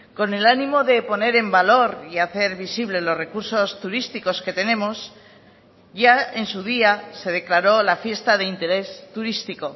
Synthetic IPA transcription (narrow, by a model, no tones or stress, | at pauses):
ko̞ne̞lanimo̞ðe̞po̞ne̞ɾe̞mbalo̞ɾiaθe̞ɾβisiβ̞le̞lozre̞kuɾso̞st̪uɾist̪iko̞ske̞t̪e̞ne̞mo̞s | ʝae̞nsuð̞iase̞ð̞e̞klaɾo̞lafje̞st̪aðe̞int̪e̞ɾe̞st̪uɾist̪iko̞